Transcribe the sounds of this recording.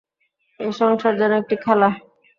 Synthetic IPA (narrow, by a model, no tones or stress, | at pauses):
eʃɔŋʃaɾd͡ʑɔnːoek̚ʈikʰɛla